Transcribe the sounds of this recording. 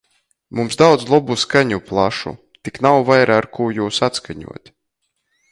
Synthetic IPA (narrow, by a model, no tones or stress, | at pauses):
mumsd̪awd̪zlˠɔbuskaɲuplˠa̰ʃṵ | t̪iknawvajɾaːɾkʰuːjuːsat̪skaɲṵɔt̪ʲ